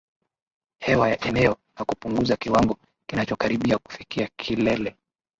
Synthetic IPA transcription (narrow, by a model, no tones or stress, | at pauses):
hɛwajaʔɛnɛɔ | nakupuŋɡuzakiwaŋɡɔ | kinat͡ʃɔkaɾiɓiaku̥fikiakʰilɛlɛ